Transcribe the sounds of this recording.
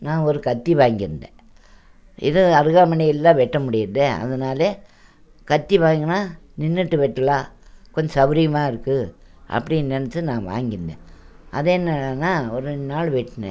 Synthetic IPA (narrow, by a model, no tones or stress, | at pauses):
nãːɔɾɯkɐt̪ːiʋaːŋɡɪɾɯnd̪ḛ̃ː | ɪ̰ðɯɐɾɯɣaːmɐnɪjɪlːãːʋɛʈːɐmʊɽɪjɾnd̪eːɐ̰ðɐnaːleː | kɐt̪ːiʋaːŋɡɐnaːnɪnːɯʈːɯʋɛʈːɐlaːkɔɲd͡ʒɐsɐʋɪɾɪjɐmaːɪɾɯkːɯ | ʔɐ̰pːɐɽɪjnɛnɐt͡ʃːɯnãːʋa̰ːŋɡɪɾɯnd̪ḛ̃ː | ʔɐðeːnːɐnːaːɔɾɯnaːɭʋɛʈːɯnɛ̰̃ː